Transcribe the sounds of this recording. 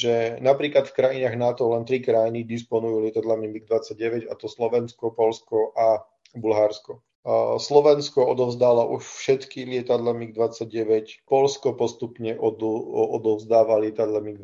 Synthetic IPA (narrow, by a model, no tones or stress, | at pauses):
ʒɛnapɾiːklat̪fkɾajinaːɣnat̪ɔlɛnt̪ɾikɾajinid̪ispɔnujuːlɪɛt̪ad̪lamimiɡ̚d̪ʋat͡saɟ̚ɟɛʋɛɟa̰t̪ɔslɔʋɛnskɔpɔʎskɔʔa | bulɦaɾskɔ | slɔʋɛnskɔɔd̪ɔʊzd̪aːlaʔuʃfʃɛt̪kilɪɛt̪ad̪lɛmiɡ̚d̪ʋat͡sːaɟɟɛʋɛcpɔʎskɔpɔst̪upɲɛʔɔɔd̪ɔvzd̪aːʋalɪɛt̪ad̪lɛmiɡ